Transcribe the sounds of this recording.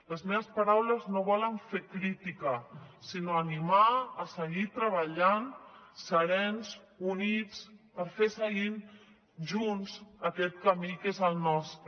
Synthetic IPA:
ləzmeβəspəɾawləznoβɔləɱfekɾit̪ikəsinoənimaːsəɣit̪ɾəβəʎansəɾɛnz | unit͡spəɾfesəɣin | ʒunzəkɛt̪̚kəmikezəlˠnɔst̪ɾə

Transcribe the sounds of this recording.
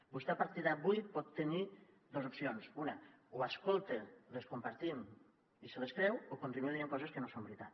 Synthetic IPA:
bust̪eapaɾt̪iðaβujpɔt̪ːeni | d̪ozupsionsunauaskolˠt̪eleskumpaɾt̪im | iseleskɾɛwokonɾimid̪ieŋkɔzeskenosombeɾit̪at̪

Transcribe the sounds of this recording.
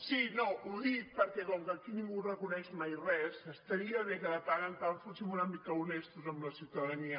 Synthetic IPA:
sinouðik̚pəɾkɛkɔŋkəkinĩŋɡurəkunɛʃmajrɛsəst̪əɾiəβekəðət̪aɾənt̪awfusimunəmikəunest̪uzəmləsiwt̪əðəniə

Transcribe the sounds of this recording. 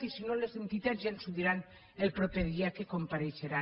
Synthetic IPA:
isinolezðent̪it̪azjansuβiɾan | elpɾopeðiakekompaɾeʃeɾa

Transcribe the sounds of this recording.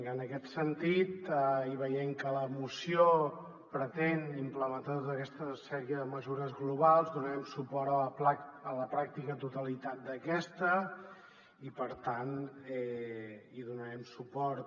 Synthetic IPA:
ənəkɛt̪sənt̪it̪əiβəjɛmkələmusio | pɾət̪enimpləmənt̪at̪ot̪əkɛst̪əsɛɾiəðəməzuɾəzɣluβalˠzd̪unəɾɛmsupɔɾəpaələpɾak̚t̪ikət̪ut̪əlit̪at̪̚d̪əkɛst̪ə | ipəɾt̪anɛ | iðunəɾɛmsupɔɾt̪

